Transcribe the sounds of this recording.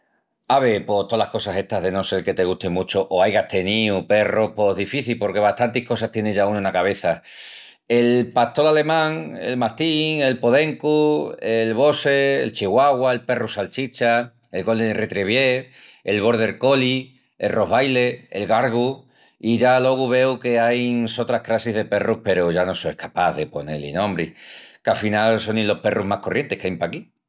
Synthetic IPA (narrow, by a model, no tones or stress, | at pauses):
aβepo̞t̪olahko̞sase̞st̪aɦðe̞no̞se̞ɾke̞t̪e̞ɣut̪imut͡ʃoʔoajɣaht̪e̞niupe̞ropo̞ɦðifiθilpo̞ɾke̞β̞at̪ant̪ihko̞s̬aht̪je̞neʝaunounakaβ̞e̞θa | elpat̪o̞lale̞mãŋḛlmat̪iŋe̞lpo̞ðe̞ŋkuelβo̞sḛːlt͡ʃiɣwaɣwae̞lpe̞rusalt͡ʃit͡ʃa | e̞lɣo̞ld̪eret̪ɾeβje | elβ̞o̞ɾð̞e̞ɾko̞li | ḛlro̞ɦβajle̞ḛlɣaɾɣ̞u | iʝalo̞ɣ̞uβ̞e̞wkeajnŋso̞t̪ɾahkɾasiɦðe̞pe̞rupe̞ɾoʝano̞so̞ehkʰapaðe̞po̞ne̞̰lḭnõ̞mbɾḭkafinalso̞nilːo̞hpe̞rʔuɦmahko̞rje̞nt̪e̞hkeajmpaki